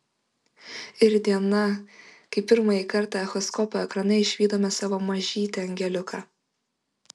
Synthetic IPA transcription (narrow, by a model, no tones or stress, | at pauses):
ɪɾd̪ʲiɛnɐkɐɪpʲɪɾmɑjikɐɾt̪ɑɛxɔskɔpoɛkɾɐnɐɪɪʃʲʋʲiːd̪oːmʲɛsɑːʋoːmɐʒʲiːt̪ʲɛɐŋʲɡʲɛlʲʊkʰɑː